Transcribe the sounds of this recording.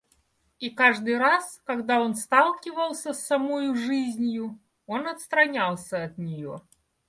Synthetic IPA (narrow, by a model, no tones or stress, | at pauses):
ikaʐd̪ɨjɾaskɐɡd̪ao̞nst̪alˠkʲɪvəlˠsʲəsːɐmojʊʐɨzʲnʲjʊ | o̞nɐt̪st̪ɾɐnʲalˠsʲəɐt̪nʲɪjo